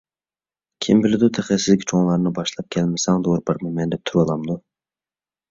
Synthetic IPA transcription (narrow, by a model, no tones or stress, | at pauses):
kʲʰimbɪlɪd̪ut̪ʰɛχɛsɪzkʲt͡ʃʰoŋlˠɑɾnɨbɑʃlˠɑp̚kʲʰɛlmɪsɛŋd̪oɾpʰɑɾmɨmɛnd̪ɛp̚t̪ʰuɾwɑlˠɑmd̪u